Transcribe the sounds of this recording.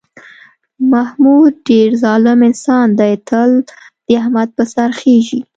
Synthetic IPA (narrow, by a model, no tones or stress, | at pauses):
mahmud̪̚ɖeɾzɑlɪmɪnsɑnd̪ət̪ʰəl | d̪̥əahmad̪̚pəsaɾxeʒi